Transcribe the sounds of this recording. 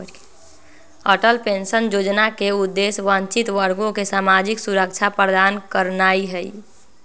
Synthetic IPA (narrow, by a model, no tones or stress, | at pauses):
əʈəlpensənd͡ʒod͡ʒnakeud̪ːesʋə̃nt͡ʃit̪ʋəɾɡõkesaːmad͡ʒiksuɾək̚t͡ʃʰapɾəd̪aːnkəɾnaiɦəḭ